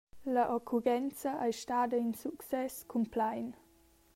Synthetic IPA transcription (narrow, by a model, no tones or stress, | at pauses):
lɐʔɔkʰuɾɛnt͡səʔajʃtaːdəinsuksɛskʰumplajn